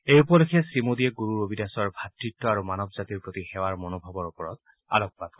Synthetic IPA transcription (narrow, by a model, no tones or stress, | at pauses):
ejupɔlekʰɛsimodiɛɡuɹuɹobʱidasɔɹbʱatɹitːɔaɹumanɔbzatiɹpɹotixɛwaɹmonobʱabɔɹupɔɹɔt | a̰lɔk̚pad̚kɔ